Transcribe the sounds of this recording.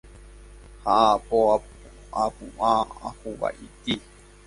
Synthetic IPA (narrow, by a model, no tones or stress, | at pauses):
haʔapoa | ʔapuʔaahuβa̰ʔit̪i